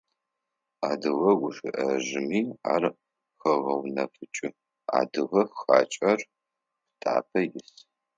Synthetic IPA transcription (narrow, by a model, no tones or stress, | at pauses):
aːdɨʁɐɡʷʊʂɪʔɐʒɪmiːa̰ːr | xɐʁɐwnɐfɨt͡ʃʼɪ | a̰ːdɨʁɐxa̰ːt͡ʃʼɐrʷ | tʰʼa̰ːpʰɐjɪs